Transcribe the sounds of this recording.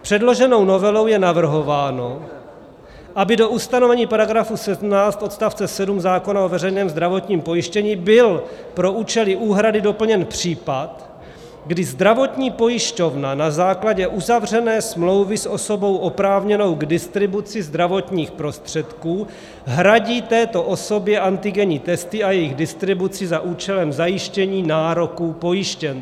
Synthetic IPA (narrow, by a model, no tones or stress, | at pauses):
pr̥ɛdlo̞ʒɛno̞wno̞vɛlo̞wjɛnavr̩ɦo̞vaːno̞ | ʔabɪdo̞ʔust̪anovɛɲiːpaɾaɡɾafusɛdm̩naːt͡st̪ʔo̞t̪st̪aft͡sɛsɛdumzaːko̞nao̞vɛrɛjnɛːmzd̪ɾavo̞t̪ɲiːmpo̞jɪʃcɛɲiːbɪlpɾo̞uːt͡ʃɛlɪʔuːɦɾadɪdo̞pl̩ɲɛnpr̝̥iːpat̪ | ɡdɪzd̪ɾavo̞t̪ɲiːpo̞jɪʃco̞vnanazaːklaɟɛʔuzavr̝ɛnɛːsmlo̞wvɪsʔo̞so̞bo̞wʔo̞pɾaːvɲɛno̞wɡdɪst̪ɾɪbut͡sɪzd̪ɾavo̞t̪ɲiːxpɾo̞st̪r̝̥ɛt̪kuː | ɦɾaɟiːt̪ɛːt̪o̞ʔo̞so̞bjɛʔant̪ɪɡɛɲiːt̪ɛst̪ɪajɛjɪɣdɪst̪ɾɪbut͡sɪzaʔuːt͡ʃɛlɛmzajɪʃcɛɲiːnaːɾo̞kuːpo̞jɪʃcɛn